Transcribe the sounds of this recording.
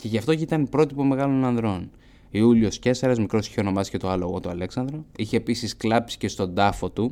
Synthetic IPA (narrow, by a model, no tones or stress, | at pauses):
ce̞ʝɐft̪o̞cit̪ɐnpɾo̞t̪ipo̞me̞ɣɐlo̞nɐnðɾo̞n | iuliosce̞sɐɾɐzmikɾo̞si̥çeo̞no̞mɐsice̞t̪oɐloɣot̪uɐle̞ksɐnd̪ɾoiçe̞ːpisisklɐpsi̥ce̞st̪o̞nd̪ɐfo̞t̪u